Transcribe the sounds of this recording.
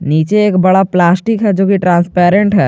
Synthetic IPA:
niːt͡ʃeːkbɐɽaplaːsʈikɦɛd͡ʒoːkiʈɾãːnspɛːɾẽɳʈɦɛ

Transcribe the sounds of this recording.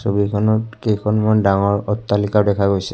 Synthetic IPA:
sobikʰɔnɔtkejkʰɔnmandaŋɔɹɔt̪ːalikawdɛkʰaɡojsɛ̥

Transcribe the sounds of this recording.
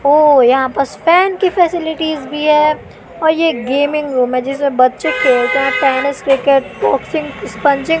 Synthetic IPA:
oːjɐɦãpɐɾsfɛːnkifɛːsɪlɪʈiːzbʱiɦɛː | ɔːɾjeɡeːmɪ̃ŋɡɾuːmɦɛ̃d͡ʒɪsmẽbɐt̪ːʃekʰeːk̪ɐɦãʈɛːnɪskɾɪkeʈ̚bɔːksɪ̃ŋspɐ̃ɲt͡ʃɪ̃ŋ

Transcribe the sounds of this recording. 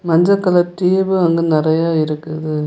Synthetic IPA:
mɐɲd͡ʒɐkːɐlɐʈːiʋɯɐŋɡenɪɾɐjaːɪɾɯkːɯɐðɯ

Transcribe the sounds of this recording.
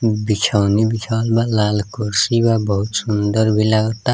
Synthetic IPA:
bit͡ʃʰawnibit͡ʃʰawlbalalkuɾsibabʌɦut̪sund̪ʌrbʱilaɡʌt̪ːa

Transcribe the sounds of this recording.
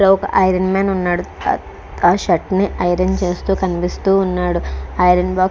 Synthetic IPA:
lɐɔkɐʔɐjɾɐnmaːnunːaːɽu | aːʃɐʈːniʔɐjɾɐnt͡ʃe̞ːst̪uːkɐnipist̪uːnːaːɽuɐjɾɐnbaːk

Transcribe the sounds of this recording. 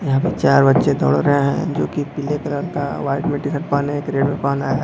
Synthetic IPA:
jɐɦãːpet͡ʃaːɾbɐtːʃed̪ɔ̰ɽɾɐɦẽɦɛ̰̃d͡ʒoːkipɪlekeləlkaʋaːɪɖmẽʈikɐʈpaːneekɾeːɖmẽpaːnaːɦɛ

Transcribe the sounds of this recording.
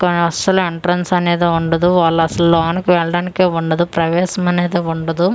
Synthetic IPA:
kɐnɐsɐlueɳʈɾɐnsɐneːd̪eːuɳɖɐd̪uʋaːɭːɐɐsɐlːaːnɐkiʋɛːɭɐɽaːnikeːuɳɖɐd̪upɾɐʋɛːʃɐmɐneːd̪eːuɳɖɐd̪u

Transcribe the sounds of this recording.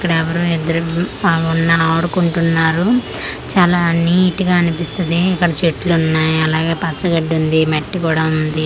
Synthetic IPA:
kːɐɽɐɛʋɐɾuid̪ɐɾuunːɐaːɽukuɳʈunːaːɾu | t͡ʃaːlaːniːʈiɡaːɐnipist̪ɐd̪iikːɐɽɐt͡ʃeʈlunːaːjɐlaːɡe̞ːpɐt͡ʃːɐɡɐɖːund̪imɐʈːikuːɽaːund̪i

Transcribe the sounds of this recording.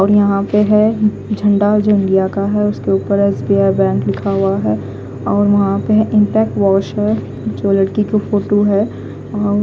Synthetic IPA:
ɔːɾjɐɦãpeɦɛ̃ | d͡ʒʱɐ̃ɳɖad͡ʒoːɪ̃ɳɖijakaɦɛʊskeuːpəɾɛːsbiaːbɛ̃ːŋklɪkʰaɦʊaɦɛː | ɔːɾʋɐɦãpeɦɛ̃ʔɪ̃mpɛːk̚ʈʋɔːʃɦɛ | d͡ʒoːlɐɽkikofoːʈoɦɛː | ɔːɾ

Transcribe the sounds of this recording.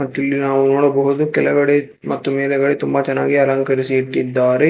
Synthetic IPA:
ɐʈːɐlːinaːʋunoːɽɐbɐɦud̪ukɛlɐɡɐɽe | mɐt̪ːumeːd̪ɐɡɐɽet̪umbɐt͡ʃɐnːa̰ːɡiɐlɐŋkɐɾisiiʈːid̪ːaːɾe

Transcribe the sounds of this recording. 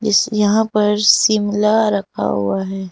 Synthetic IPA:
d͡ʒɪsjɐɦãpɐɾsɪmlaɾɐkʰa̰ɦṵaɦɛː

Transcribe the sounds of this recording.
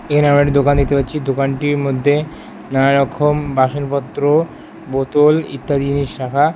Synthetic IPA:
ekʰaneamɾaʈid̪okand̪it̪epatːɕʰid̪okanʈiɾmod̪ʱːe | naɾɔkʰːombaʃonpɔt̪ːɾo | bot̪olḭt̪ːad̪iniʃːakʰa

